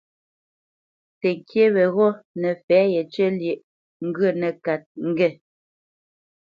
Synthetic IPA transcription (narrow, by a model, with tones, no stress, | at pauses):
tɛ˨ŋ̩˨kje˦βɛ˨ɣɔ˦nɛ˨fɛː˨˦jɛ˨t͡ʃə˦lje˨ʔ | ŋ̩˦ɡɰə˦˨nɛ˨ka˨t̚ŋ̩˦ɡɛ˦˨